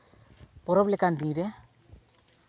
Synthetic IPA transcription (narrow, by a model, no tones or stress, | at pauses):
poɾɔplekandiɾe